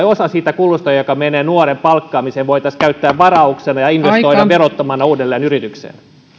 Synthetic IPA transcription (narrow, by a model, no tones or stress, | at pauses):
osɑsiːt̪ækulːust̪ɑjɑjokɑmeneːnuorempɑlkːɑːmisenʋoit̪ɑskæyt̪ːæːʋʋɑrɑuksenɑjɑinʋest̪oiɑʋerot̪ːɑmɑnːɑuːdelːeːnyrit̪yksḛːn